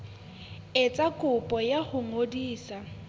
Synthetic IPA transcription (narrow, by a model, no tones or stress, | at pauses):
et͡sʼakʼʊpʼɔjahʊŋodiːsa